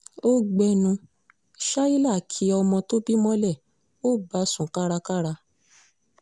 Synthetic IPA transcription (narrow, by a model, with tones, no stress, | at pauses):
o˦ɡ͡bɛ˧nũ˧ | ʃa˦i˦la˦˨kʰi˨˧˦ɔ˧mɔ̃˧to˦bi˦mɔ̃˦lɛ˦˨ | o˦˨ba˨˦sũ˨ka˦ɾa˧ka˦ɾa˧